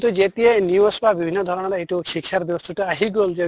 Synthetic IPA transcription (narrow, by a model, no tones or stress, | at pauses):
t̪ud͡ʒet̪ieniosbabibʱinːɔd̪ʱɔɾɔñɔɾeeʈukʰikʰjaɾbjɔbɔst̪ʰuʈɔaɦiɡold͡ʒe